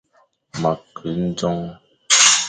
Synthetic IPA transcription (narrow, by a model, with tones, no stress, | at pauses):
ma˨kə˨n̩˦d͡zɔ˦ŋ